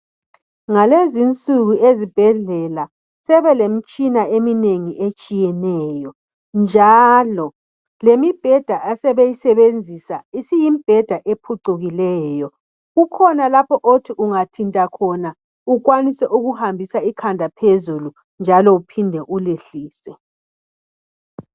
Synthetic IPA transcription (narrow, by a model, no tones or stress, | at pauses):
ŋalezint͡sʼuɣuezib̥ʱɛɮɛla | sɛβɛlem̩t͡ʃʼinaemineŋiʔet͡ʃʼijɛnɛjɔ | nd͡ʒʱalɔ | lemib̥ʱɛd̥ʱaʔasɛβejisɛβend͡zʱisa̰isijim̩b̥ʱɛd̥ʱaʔepʰuǀuɣilɛːjɔ | ɣukʰɔnalapʰɔʔotʰiʔuŋatʰintʼakʰɔna | uɣwanisɛʔuɣuhambʱisaikʰandʱapʰezulu | nd͡ʒʱalɔupʰindʱɛʔuleɬiːsɛ